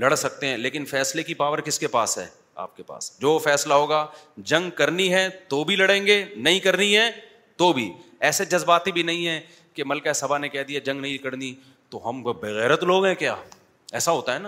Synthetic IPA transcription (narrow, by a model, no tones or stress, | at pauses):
lɐɽsɐk̚t̪eɦɛ̃ːleːkɪnfɛːslekipaːʋəɾkɪskepaːsɦɛ̰ː | a̰ːp̚kepa̰ːsd͡ʒoːfɛːslaɦoːɡaːd͡ʒɐ̃ŋɡkɐɾniɦɛt̪oːbʱilɐɽẽːŋɡenɐɦĩkɐɾniɦɛ | t̪oːbʱḭːɛːsed͡ʒɐzbaːt̪ibʱinɐɦĩɦɛ̃ː | kemɐlkaɦɛsɐbʱanekɛːd̪ijad͡ʒɐ̃ŋɡnɐɦĩkəɽni | t̪oɦɐmbɐɣɛːɾət̪loːɡɦɛ̃kjaː | ɛ̰ːsaɦoːt̪aɦɛːnaː